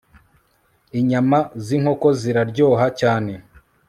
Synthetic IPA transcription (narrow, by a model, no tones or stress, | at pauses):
iɲamaziŋ̥ho̞ko̞ziɾaɾɟoːɦacaːne̞